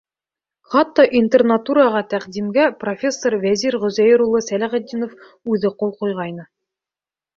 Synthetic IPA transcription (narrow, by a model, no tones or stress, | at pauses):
χɑt̪ːɑʔint̪ernat̪uɾɑʁɑt̪æqd̪imɡæprofʲe̞sːorvæziɾʁɵ̆zæjɘɾulˠɤsælæʁæd̪ːinof | ʉðɘqolˠqujʁɑjnɤ